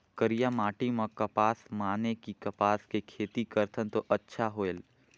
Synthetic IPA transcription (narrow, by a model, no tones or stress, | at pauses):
kɐɾijamaːʈimãkɐpaːsmaːnekikɐpaːskekʰeːt̪ikɐɾt̪ʰənt̪oʔɐtːʃʰaɦoːel